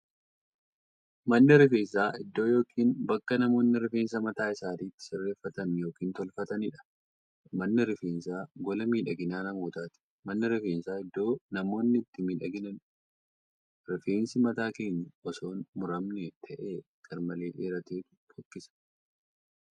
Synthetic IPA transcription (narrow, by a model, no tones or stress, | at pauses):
mɐnːɪɾɪfe̞ːns̬aːʔɪd̪ːo̞ːjo̞ːkʰiːnbɐkːɐnɐmo̞ːnːɪɾɪfe̞ːnsɐmɐt̪aːɪsaːt̪iːt̪ːɪ̥sɪrːe̞ːfːɐt̪ɐnjo̞ːkiːnt̪ɔlfɐt̪ɐnɪᶑɐ̥ | mɐnːɪɾɪfeːnsaːɡɔlɐmiːᶑɐɡɪnaːnɐmoːt̪aːt̪ɪ̥ | mɐnːɪɾɪfeːnsaːɪd̪ːo̞ːnɐmo̞ːnːɪɪt̪ːɪmiᶑɐɡɪnɐn | ɾɪfe̞ːnsɪmɐt̪aːke̞ːɲːɐʔɔso̞ːnmʊɾɐmnet̪ʰɐʔeːkʼɐɾmɐle̞ːʔeːɾɐt̪eːt̪ʊ̥bɔkːɪsɐ̥